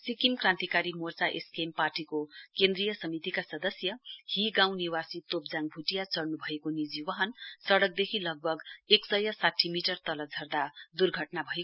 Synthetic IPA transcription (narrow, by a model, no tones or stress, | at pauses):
sikimkrãnt̪ikaɾimort͡saʔeskemparʈikokend̪rijʌsʌmit̪ikasʌd̪ʌsjʌhiɡãw̃niwasit̪op̚d͡zaŋbʱuʈijat͡sʌrnubʱʌekonid͡ziwʌɦʌnsʌɽʌk̚d̪ekʰilʌɡ̚bʱʌɡeksʌjʌsaʈʰːimiʈʌrt̪ʌlʌd͡zʱʌrd̪ad̪urɡʱʌʈnabʱʌe